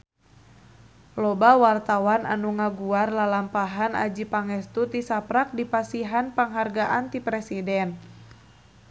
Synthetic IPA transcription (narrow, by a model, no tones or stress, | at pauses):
lɔbawart̪awanʔa̰nuŋaɡuarlalampaɦana̰d͡ʒipaŋɛst̪ut̪isapɾak̚dipasiɦanpaŋɦarɡaʔant̪ipɾɛsidɛn